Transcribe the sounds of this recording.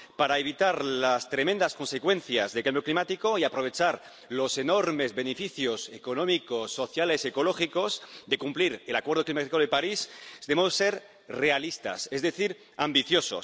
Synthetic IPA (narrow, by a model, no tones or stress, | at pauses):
paɾaeβ̞it̪aɾlast̪ɾe̞mẽnd̪asko̞nse̞kwe̞nθja̰zðekambjo̞klimat̪iko̞iapɾo̞β̞e̞t͡ʃaɾ | lo̞se̞no̞ɾme̞zβe̞nefiθjosekonõ̞mikosːo̞θjale̞seko̞lo̞xiko̞zðe̞kumpliɾe̞lakweɾð̞oklimat̪ikolðepaɾisd̪emosːe̞ɾ | re̞alist̪a̰sezðe̞θiɾ | ambiθjo̞so̞̰s